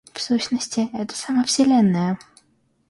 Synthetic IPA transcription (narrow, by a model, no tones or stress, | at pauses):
fsuɕnəsʲtʲɪɛt̪ə̥saməfsʲɪlʲɛnːəjə